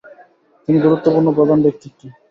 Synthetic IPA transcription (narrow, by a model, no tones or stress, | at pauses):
t̪iniɡuɾut̪ːopuɾnopɾɔd̪ʱand̪ek̚t̪ʰikːi